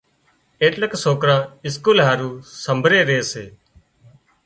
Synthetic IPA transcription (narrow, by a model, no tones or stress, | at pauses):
eːʈləksoːkɾãːɪskuːlɦaːɾuːsəmbʱɾeːɾeːseː